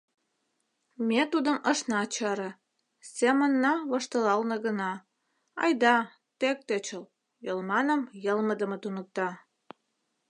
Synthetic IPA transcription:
met̪ud̪əməʃnɑt͡ɕɑɾə̆ | semənːɑβəʃt̪əlɑlnə̆ɣənɑ | ɑ̰jd̪ɑ | t̪ek̚t̪et͡ɕəl | jəlmɑnəmjəlməd̪əmə̆t̪unək̚t̪ɑ

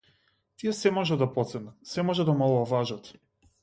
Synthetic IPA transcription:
t̪ijɛsɛmɔʒɛd̪apɔt̪sɛnat̪sɛmɔʒɛd̪amɔlˠavaʒat̪

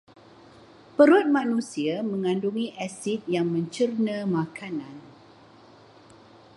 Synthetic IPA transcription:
pəɾut̪̚mãnũsiamə̃ŋãnduŋĩʔɛsit̪̚jaŋmə̃ɲt͡ʃərnə̃mãkʰanãn

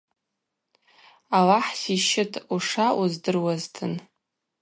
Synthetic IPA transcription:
awaħsiʃɪtʰuʂaʔuzdɨrwaztʰɨn

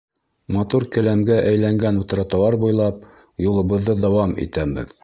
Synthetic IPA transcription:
mɑt̪uɾkɘ̆læmɡæʔæjlæŋɡænŭt̪̆ɾɑt̪ɑlˠɑɾbujlˠɑp̚ | julˠɤ̆βɤ̆ðːɤd̪æwɑmḭt̪æbɘ̰ð

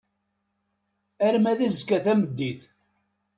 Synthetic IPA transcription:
æɾmæðæzkːæθæməd̪ːiθ

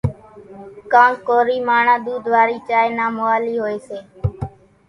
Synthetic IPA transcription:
kãːkoːɾiːmaːɳãːd̪uːd̪ʱʋaːɾiːt͡ʃaːeːnaːmoːaːliːɦoːeːseː

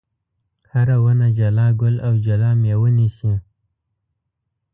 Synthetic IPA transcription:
haɾawənad͡ʒalɑɡʊlawd͡ʒalɑmewənisi

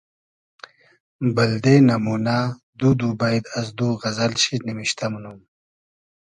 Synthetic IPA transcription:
bɐld̪enɐmuna | d̪ud̪ubajd̪ɐzd̪uɣɐzɐlɕinimiɕt̪ɐmnum

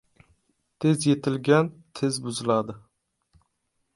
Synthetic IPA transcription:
t̪ʰe̞zje̞t̪ʰɪlɡʲant̪ʰezbʊzɪlad̪ɪ

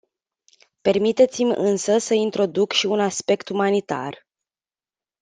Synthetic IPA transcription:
pe̞rmit̪e̞t̪simʲɨ̰nsəsəint̪ɾo̞d̪ukʃiunaspe̞kt̪umanit̪a̰r

